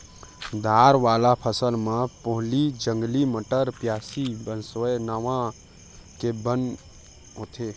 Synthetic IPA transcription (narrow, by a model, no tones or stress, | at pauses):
d̪ʱaːɾʋaːlapʰəsəlmãpoɦlid͡ʒə̃ŋɡliməʈəɾpjaːsibənsoenəʋã | kebən | ɦoːt̪ʰe